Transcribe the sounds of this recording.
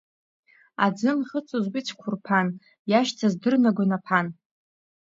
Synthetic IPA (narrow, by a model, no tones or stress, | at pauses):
a̰d͡zɨnχət͡sʷʼozbit͡sʰkʷʰʊrpʰan | jaʃtʰazdɨrnaɡʷanapʰan